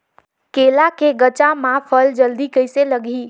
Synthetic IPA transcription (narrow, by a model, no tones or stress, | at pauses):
kelakeɡət͡ʃamãpʰəld͡ʒəld̪ikəjseləɡʱi